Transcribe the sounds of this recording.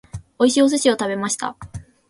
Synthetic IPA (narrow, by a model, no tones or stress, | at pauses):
o̞iɕios̬ɨɕio̞t̪abe̞maɕi̥t̪a̰